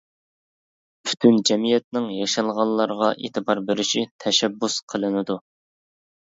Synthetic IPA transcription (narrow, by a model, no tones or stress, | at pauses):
pʰy̥t̪ʰynd͡ʒɛmijɛt̪̚nɪŋjɑʃɑlˠʁɑnˠlːˠɑɾʁɑʔḛːt̪ʰɨbɑɾbeɾɪʃit̪ʰɛʃɛbːusqʰəlˠɨnɨd̪u